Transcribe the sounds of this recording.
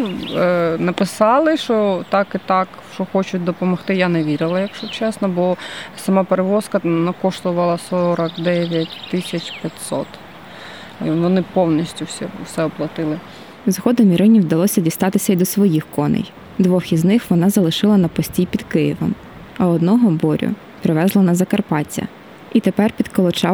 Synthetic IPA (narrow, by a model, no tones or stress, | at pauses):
nɐpɪsɑlˠɪʃɔt̪ɑkit̪ɑk | ʃt͡ʃɔxɔt͡ʃʊt̚ʲd̪ɔpɔmɔxt̪ɪjaneʋʲiɾʲɪlˠɐjɐkʃʊt͡ʃɛsnɔbɔsɐmɑpeɾeʋɔskɐnɐkɔʃt̪ʊʋɐlˠɐsɔɾɐkd̪ɛʋʲjɐtʲt̪ɪsʲɐt͡ʃpʲjɐtʲsɔ̰t̪ | ʋɔnɪpɔwnʲisʲtʲʊsʲɛ̰sɛɔplˠɐt̪ɪlˠɪ | zɦɔd̪ɔmʲiɾɪnʲiwd̪ɐlˠɔsʲɐdʲist̪ɑt̪ɪsʲɐid̪ɔsʋɔjixkɔnɪ̰j | d̪ʋɔxiznɪxʋɔnɑzɐlˠɪʃɪlˠɐnɐpɔsʲtʲijpʲid̪kɪjiʋɔ̰m | ɐɔd̪nɔɦɔbɔɾʲʊ̰ | pɾɪʋɛzlˠɐnɐzɐkɐrpɑt͡sʲːɐ̰ | it̪epɛrpʲid̪kɔlˠɔt͡ʃɑ